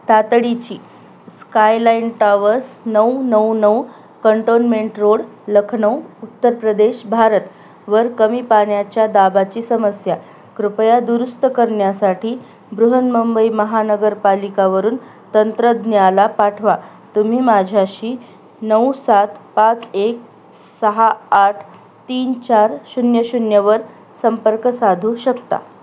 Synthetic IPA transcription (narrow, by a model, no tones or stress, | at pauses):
t̪at̪ɽit͡ɕiː | skajlainʈaʋəɾsnəwnəwnəw | kəɳʈonmeɳʈɾoɽləkʰɳəwut̪ːəɾpɾəd̪eɕbʱaɾət̪ | ʋəɾkəmiːpaɳjat͡ɕjad̪abat͡ɕiːsəməsja | kɾupjad̪uɾust̪əkəɾɳjasaʈʰiː | bɾuɦənməmbəiməɦanəɡəɾpalikaʋəɾuːn | t̪ənt̪ɾəd̪njalapaʈʰʋa | t̪um̤iːmad͡ʑʱjaɕiː | nəusat̪pat͡sek | səɦaːʈʰ | t̪iːnt͡ɕaɾɕunjəɕunjəʋəɾ | səmpəɾkəsad̪ʱuːɕəkt̪a̰